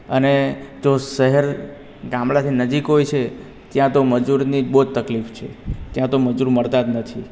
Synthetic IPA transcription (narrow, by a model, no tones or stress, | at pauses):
əned͡ʒosəɦəɾ | ɡãmɭat̪ʰinəd͡ʒikɦojt͡ʃʰe | t̪jãt̪oməd͡ʒuɾnid͡ʒbod̪̚t̪əklift͡ʃʰḛt̪jãt̪oməd͡ʒuɾməɾt̪ad̪nət̪ʰi